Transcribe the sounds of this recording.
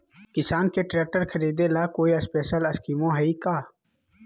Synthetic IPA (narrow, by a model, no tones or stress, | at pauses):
kɪsaːnkeʈɾeːk̚ʈəɾkʰɐɾiːd̪elaːkoːiɐspeːʃəlɐskiːmõɦɐikaː